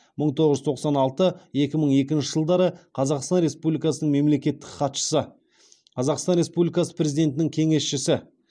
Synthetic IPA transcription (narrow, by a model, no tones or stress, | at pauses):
məɴt̪ʰoʁəʒt̪ʰo̞qsɑnɑlˠt̪əe̞kʲɪməɴe̞k̬ʲɪnʃɪʒəlˠd̪ɑɾəqʰɑzɑqst̪ɑnɾe̞spublʲijkɑsənəɴme̞mle̞kʲe̞t̪ːɪ̥kχɑt̪ʃə̥sə | qʰɑzɑqst̪ɑnɾe̞spublʲikɑsə̥pɾʲe̞zid̪e̞nt̪ɪnɪŋkʲʰe̞ŋe̞sʃɪsɪ